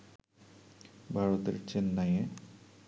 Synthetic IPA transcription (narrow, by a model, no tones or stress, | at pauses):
bʱaɾot̪ḛɾt͡ɕenːaje